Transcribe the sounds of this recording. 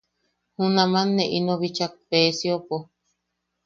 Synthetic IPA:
hũnãmãnːeʔinoβit͡ʃak̚peːsiopo

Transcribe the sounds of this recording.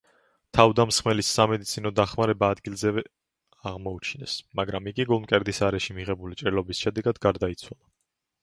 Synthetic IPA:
t̪ʰavd̪amsχmɛlisːamɛd̪it̪sʰinɔd̪aχmaɾɛbaːd̪ɡilˠzɛvɛ | aʁmɔut͡ʃʰinɛ̰smaɡɾamiɡiɡulˠmkʼɛɾd̪isaɾɛʃimiʁɛbulit͡ʃʼɾilˠɔbisʃɛd̪ɛɡad̪ɡaɾd̪ait̪sʰwalˠa

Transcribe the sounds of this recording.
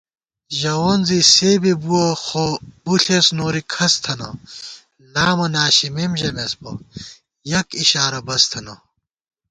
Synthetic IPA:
ʑɐwoːnziseːbibuɐxobuɬesnoːɾikʰɐst̪ʰɐnɐ̰ | naːmɐnaːɕimemʑɐmesbɐ̰ | jɐkiɕaːɾɐbɐst̪ʰɐnɐ

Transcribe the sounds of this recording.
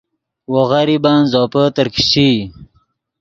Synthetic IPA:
woɣaɾibaːnzɔːpət̪əɾki̥ɕi

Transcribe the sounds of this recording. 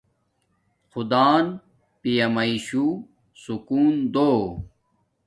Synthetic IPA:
xud̪aːn | pijɐmɐiɕu | sukuːnd̪oː

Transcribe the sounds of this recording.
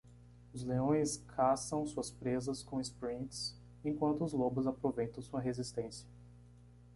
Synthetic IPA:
ʊzleõj̃skʰasɐ̃w̃suɐspɾezɐskõw̃ɪspɾĩt̪s | ẽkwɐ̃nt̪ʊʊzlobʊzapɾovejt̪ɐ̃w̃suɐɦezist̪ẽsiɐ̥

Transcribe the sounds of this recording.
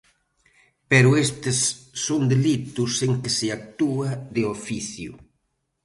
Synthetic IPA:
pɛɾʊest̪esːond̪elit̪useŋkɪsɪak̚t̪uaðeofiθjṵ

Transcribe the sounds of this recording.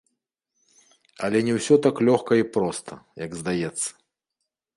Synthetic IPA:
ɐ̰lʲɛnʲɛwsʲɔt̪aklʲɔxkɐipɾɔst̪ʰɐjɐɡzd̪ajɛt̪sːɐ̥

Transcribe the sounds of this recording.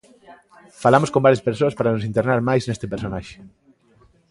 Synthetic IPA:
falamoskõmbaɾjɐspeɾsoaspaɾanosint̪eɾnaɾmajznest̪ɪpeɾsonaʃe̥

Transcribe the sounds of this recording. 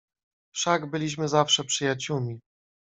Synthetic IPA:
fʂaɡbɘlʲiɕ̬mɘzafʂɛpʂɘjat͡ɕumʲi

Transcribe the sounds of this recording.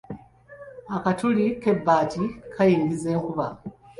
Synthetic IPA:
akatulike̞bːaːtikʰajiːŋɡize̞ːŋkuβa

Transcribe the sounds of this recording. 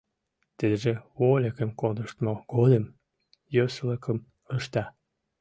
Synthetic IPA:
t̪ed̪əʒewolʲekəmkod̪əʃt̪moɡ̥od̪əm | jøsələkʰəm | əʃt̪ɑ

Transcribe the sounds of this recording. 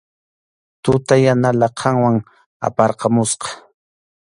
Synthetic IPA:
t̪ʊt̪ajanalaqʰɑŋwaŋ | a̰pɑɾqɑmʊsqɑ̥

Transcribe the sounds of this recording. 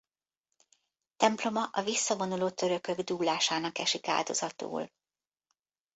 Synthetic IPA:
t̪ɛmplo̞mɒʔɒvisːɒvo̞nuloːt̪ø̞ɾø̞kø̞ɡd̪uːlaːʃaːnɒkɛʃika̰ːld̪o̞zɒt̪ṵːl

